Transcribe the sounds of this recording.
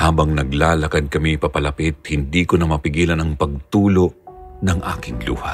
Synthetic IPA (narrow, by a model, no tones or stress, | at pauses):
haːbɐŋnɐɡlaːlɐkad̪̚kɐmiɪpɐpɐlɐpɪt̪̚hɪnd̪iːkonɐmɐpɪɡiːlɐnɐŋpɐɡ̚t̪uːloʔnɐŋʔa̰ːkɪŋlṵːhɐ̰